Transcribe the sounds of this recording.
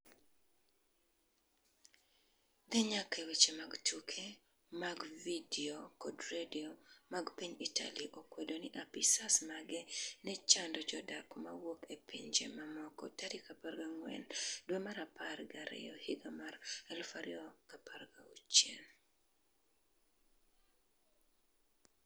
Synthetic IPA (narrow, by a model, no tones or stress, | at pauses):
d̪ɛɲakʰewet͡ʃemaɡtukʰe | maɡvidiokɔdɾediomaɡpiɲitʰa̰liʔokwedoniʔapisasmaɡɛnɛt͡ʃandɔd͡ʒɔdakmawokepiɲd͡ʒḛmamɔkɔ̰taɾikapaɾɡaŋwɛ̰ndwemaɾaparɡaɾɛ̰jɔhiɡamaɾalfaɾiɔkaparɡaut͡ʃjḛn